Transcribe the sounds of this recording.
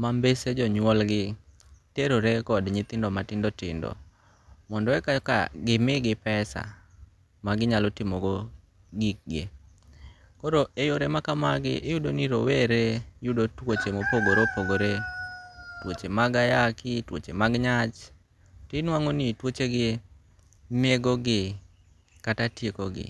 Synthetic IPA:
mambesed͡ʒɔɲwɔlɡɪ | teɾoɾekɔdɲɪt̪ɪndɔmatɪndɔtɪ̰ndɔ̰ | mɔndɔɛkaka̰ɡɪmɪɡɪpɛsa̰ | maɡɪɲalɔtɪmoɡo | ɡik̚ɡḭ | koɾoejoɾemakamaɡɪ̰ʔɪjudoniɾoweɾejudotwot͡ʃemopoɡoɾopoɡoɾe | twot͡ʃemaɡajakɪtwo̰t͡ʃemaɡɲat͡ʃ | tɪnwaŋonitwot͡ʃeɡɪ | meɡoɡɪ | katatjekoɡɪ̰

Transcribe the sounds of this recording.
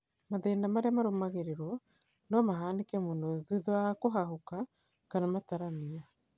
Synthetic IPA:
maðeːndamaɾeamaɾomaɣeɾeɾwɔ | nɔmaɦaːndekɛmonoɛðiðoakoɦaɦoka | kanamataɾamia

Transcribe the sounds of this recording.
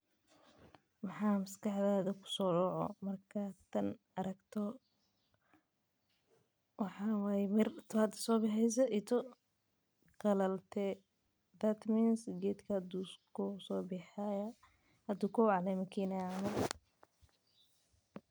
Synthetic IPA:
wɑħɑːmɐskɑħðaːðɐkʰʊ̥sɔːɖɔːʕɔ̰mɐrkʰat̪ʰɐn | ɐɾɐɡt̪ʰɔ | wɑħɑːwaːjmɪrt̪ʰad̪̥sɔːbɑħɛjs̬ɐʔit̪ʰɔ | qɐlɐlt̪ʰɛ | d̪ɐt̪mɛnsɡɛːd̪kʰɐhɐd̪uskʰʊsɔːbɪħaj | hɐd̪uːkʰɔwʕɑlɛmɐkʰinɐmɐ

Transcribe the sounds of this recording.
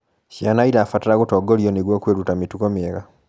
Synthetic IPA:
ʃianaiɾafatiɾaɣutoːɡoljoniɡwokweɾutamitukomieɣa

